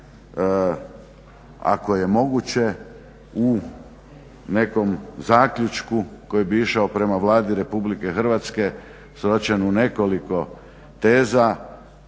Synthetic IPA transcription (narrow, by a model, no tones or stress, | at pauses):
a̰ko̞je̞mo̞ɡut͡ɕe̞ | u | ne̞ko̞mzaːkʎʲut͡ʃkuko̞jibiiʃaopɾe̞maʋlaːd̪iɾe̞publike̞xɾ̩ʋat̪ske̞ | sɾo̞t͡ɕenune̞ko̞liko̞ | t̪e̞ːza